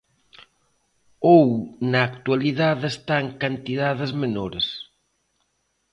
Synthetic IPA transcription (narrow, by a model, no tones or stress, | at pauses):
ownaːkt̪waliðaðest̪aŋkant̪iðaðezmenoɾes